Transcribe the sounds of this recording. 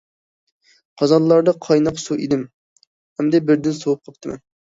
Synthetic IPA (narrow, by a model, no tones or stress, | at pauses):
qʰɑzɑllˠlːˠɑɾd̪ɑqʰɑjnɑqsuʔid̪ɪm | hɛmd̪ɛbɪɾd̪ɪnsowup̚qʰɑp̚t̪ʰɨmɛ̰n